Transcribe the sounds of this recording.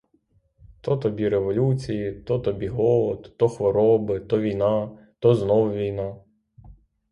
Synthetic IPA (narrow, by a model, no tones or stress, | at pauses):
t̪ɔt̪ɔbʲiɾeʋɔlʲut͡sʲijit̪ɔt̪ɔbʲiɦɔlˠɔd̪t̪ɔxʋɔɾɔbɪt̪ɔʋʲijnɑ | t̪ɔznɔwʋʲijnɑ